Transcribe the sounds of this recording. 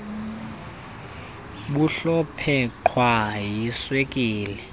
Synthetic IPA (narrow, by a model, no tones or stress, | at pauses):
ɓuɬɔpʰɛǃʰwajiswekʼiːlɛ